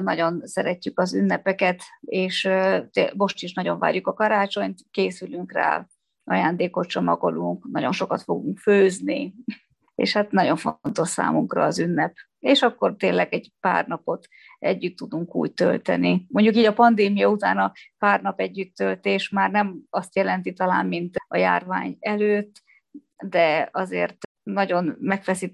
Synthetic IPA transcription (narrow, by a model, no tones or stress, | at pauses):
nɒɟo̞nsɛɾɛcːykɒzynːɛpɛkɛt̪eːʃt̪emo̞ʃt̪iʃnɒɟo̞ɱva̰ːɾjukɒkɒɾaːt͡ʃo̞ɲt̪keːsylyŋkra̰ː | ɒ̰jaːnd̪eːko̞t̪t͡ʃo̞mɒɡo̞luŋknɒɟo̞nʃo̞kɒt̪fo̞ɡuŋkføːznḭ | ḛːʃhat̪nɒɟo̞ɱfont̪o̞ʃsa̰ːmuŋkrɒ̰ːzynːɛp | eːʃɒkːo̞rt̪eːnlːɛɡɛɟpa̰ːrnɒpo̞t̪ | ɛɟːyt̪ːud̪uŋkṵːɟ̚t̪ø̰lt̪ɛ̰nimo̞ɲɟukiːɟɒpɒnd̪eːmijɒut̪a̰ːnɒpaːrnɒpɛɟːyt̪ːølt̪eːʃmaːrnɛmɒst̪jɛlɛnt̪it̪ɒla̰ːmmint̪ɒja̰ːrvaːɲɛløːt̪ː | d̪ɛɒzḛːrt̪ | nɒɟo̞nmɛkfɛsi